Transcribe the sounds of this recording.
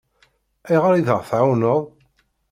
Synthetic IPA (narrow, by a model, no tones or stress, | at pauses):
ijʁəɾiðəʁθʕawnəðˤ